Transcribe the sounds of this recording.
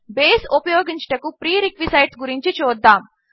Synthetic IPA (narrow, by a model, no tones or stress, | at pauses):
beːsupɐjoːɡiɲt͡ʃɐ̥ʈɐkupɾiːɾikʋisɐjɖsɡuɾiɲt͡ʃit͡ʃuːd̪ːaːm